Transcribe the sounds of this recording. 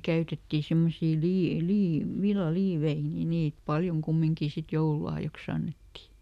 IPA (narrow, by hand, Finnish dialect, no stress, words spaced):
kæytetːi semːosiː lie liː ʋilːɑliːʋei ni niːt pɑljoŋ kumːiŋkiˑ sit joululɑhjɑks ɑnːetːi